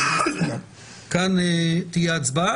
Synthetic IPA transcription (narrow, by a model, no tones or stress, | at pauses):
kant̪ijat͡sba